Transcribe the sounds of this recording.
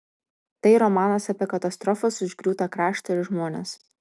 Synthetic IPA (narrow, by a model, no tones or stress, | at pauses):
t̪ɐɪɾɔmɑːnɐsɐpʲeɛkɐt̪ɐst̪ɾɔfɐsʊʒʲɡɾʲuːt̪ɐkɾɑːʃt̪ɐɪɾʒmoːnʲḛs